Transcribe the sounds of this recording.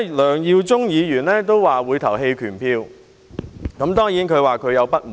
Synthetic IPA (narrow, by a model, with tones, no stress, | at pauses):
lœː˨˩ŋjiː˧wt͡sʊ˥ŋjiː˨˧jyː˨˩nlɛː˥t̪̬o˥wwaː˨wuː˨˧jt̪ʰɐ˨˩wɦe˧jkʰyː˨˩npʰiː˧w | kɐ˨˥mt̪ɔː˥ŋjiː˨˥nkʰɵ˨˧ɥwaː˨kʰɵ˨˧ɥjɐ˨˧wpɐ˥t̚m̩˨